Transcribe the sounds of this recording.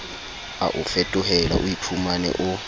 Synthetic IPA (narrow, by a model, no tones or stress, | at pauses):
a̰ʔufɛtʼʊɦɛla̰ʔujipʰumanɛ̰ʔʊ